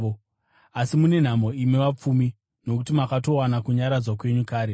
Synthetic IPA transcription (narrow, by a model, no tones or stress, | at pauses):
o | asimune̞n̤amo̞imeʋap͡fumi | no̞kutimakato̞wanakuɲaɾad͡zwakwe̞ɲukaːɾe